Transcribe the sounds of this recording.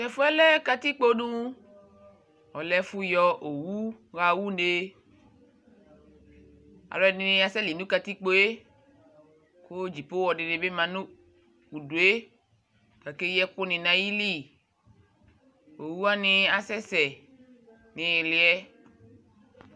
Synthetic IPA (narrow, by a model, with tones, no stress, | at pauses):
kɛ˨fu˦ɛ˦lɛ˦ka˧t̪i˦k͡po˦nũ˦ | ɔ˨lɛ˦fu˦jɔ˦˧ʔo˨wu˦ɣa˨wu˦n˦e˦ | a̰˨lɔ˨ɛ˨nɪ˦i˧a˨sɛ˦li˨nũ˦ka˧t̪i˦k͡po˦e˦ | ko˦d͡ʒi˨po˦wɔ˨de˨de˨be˦mã˨nũ˦ | u˨du˨e˦ | ka˨ke˦jɛ˦ku˦nɪ̃˨nã˨ji˦li˦˨ | o˨wu˦a˦nɪ˧a˨sɛ˦sɛ˨ | nɪ̃˨lɪ˨ɛ˦